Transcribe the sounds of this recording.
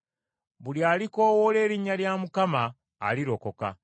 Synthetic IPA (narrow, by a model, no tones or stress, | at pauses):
βuljaːliko̞ːwole̞ːɾiɲːaljamukama̰ː | liɾo̞ko̞ka̰